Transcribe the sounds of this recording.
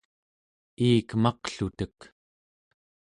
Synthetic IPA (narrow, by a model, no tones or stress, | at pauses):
iːkmɑqɬut̪ək